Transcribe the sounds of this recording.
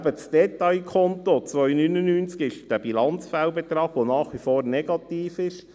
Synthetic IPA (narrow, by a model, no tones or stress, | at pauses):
bət͡sd̥ɛt̪ɑjkʰɔnt̪ot͡sʋœʏjnynənyːnt͡skɪʃd̥æbilɑnt͡sfæʊbɛt̪ɾɑːɡ̥ʋonɑːχʋifoːɾnɛɡ̥ɑt̪iːfɪʃ